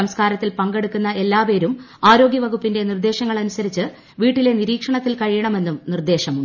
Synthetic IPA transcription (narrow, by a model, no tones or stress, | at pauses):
ɐmskaːɾɐt̪ːilpɐŋɡe̞ɽukːunːɐʔe̞lːaːpe̞ːɾum | aːɾo̞ːɡjɐʋɐɣupːinde̞nird̪e̞ːɕɐŋːɐɭɐnusɐɾit͡ɕːɨ | ʋiːʈːile̞niɾiːkʂɐɳɐt̪ːilkɐɻijɐɳɐme̞nːumnird̪e̞ːɕɐmuɖ